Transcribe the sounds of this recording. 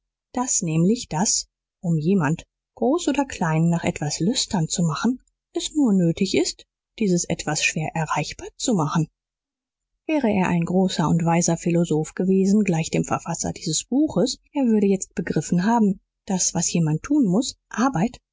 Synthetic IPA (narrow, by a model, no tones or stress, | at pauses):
d̥asnɛːmlɪçd̥as | ʔʊmjeːmant | ɡ̥ʁoːsʔoːdɐkl̥aɪnːaːχʔɛ̰tv̥aslʏstʰɐnt͡sumaχn̩ | ʔɛsnuːɐnøːtɪçɪst | d̥iːzəsʔɛ̰tv̥asʃv̥eːɐʔɛɐʁaɪçb̥aːɐt͡sumaχn̩ | vɛːʁəʔeːɐʔa̰ɪnɡʁoːsɐʊntv̥aɪsɐfilozoːfɡ̥əveːzn̩ɡlaɪçd̥eːmfɛɐfasɐ̰diːzəsb̥uːxəsʔeːɐvʏɐɾəjɛt͡st̚b̥əɡʁɪfn̩ɦaːbm̩ | d̥asv̥asjeːmantʰːuːnmʊsʔaɐbaɪt